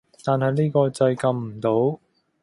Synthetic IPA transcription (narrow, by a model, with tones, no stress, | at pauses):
t̪aː˨nɦɐ˨jniː˥kɔː˧t͡sɐ˧jkɐ˧mm̩˨˩t̪o˨˥w